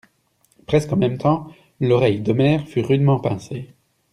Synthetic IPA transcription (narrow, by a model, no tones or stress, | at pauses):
pχɛskɑ̃mɛmt̪ɑ̃ | lɔʁɛjd̪əmɛʁfyʁyd̪mɑ̃pɛ̃se